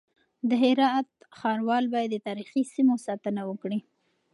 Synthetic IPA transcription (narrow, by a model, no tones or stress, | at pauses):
d̪əɦɪɾɑt̪ | xɑɾwɑlbɑjad̪ːət̪ɑɾixisimosɑt̪ənawəkɽi